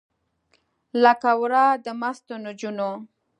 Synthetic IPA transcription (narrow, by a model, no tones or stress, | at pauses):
lakawɾɑd̪əmast̪onod͡ʒuno